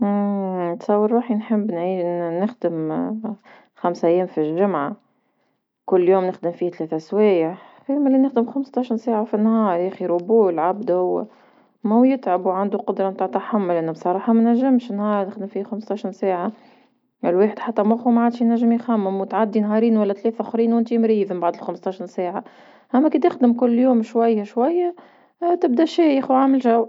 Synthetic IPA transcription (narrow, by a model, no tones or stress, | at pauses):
t̪sˤɑwːəɾˤɾuːħinħɪbːnʕiːnɪxd̪əm | xamsʔæjːɛːmfilʒʊmʕa | kʊlːjoːmnɪxd̪ɪmfiːht̪lɛːθæswɛːjaħ | fiːmælːinɪxd̪əmxamst̪ɑʃənsaːʕafinːhɑːɾˤʔæxiɾubuːlʕabd̪aw | mæujɪt̪ʕabuwʕand̪uqʊd̪ɾˤɑmt̪aːʕt̪aħamːʊlʔænːubsˤɑɾˤɑːħɑmænæʒːɪmʃnhɑːɾˤnɪxd̪əmfiːhæxamst̪ɑʃinsaːʕa | ɪlweːħəd̪ħat̪ːæmʔxumaʕaːd̪ʃnæʒːəmjxæmːɪmwt̪ʕad̪ːinɦɑːɾiːnwælːæt̪leːθʔæxɾiːnwʔɪnt̪imɾiːðəmbaʕd̪ɪlxamst̪ɑʃinsaːʕa | ʔæmːækiːd̪ɪxd̪əmkʊlːjuːmʃwajːaʃwajːæ | t̪ɪb̚d̪æʃɛːjəxwʕaːməlʒaw